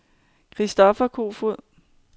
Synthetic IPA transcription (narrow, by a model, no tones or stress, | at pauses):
kʰʁisd̥ɒ̽fɐkʰo̝̰ːfuð̰ˠ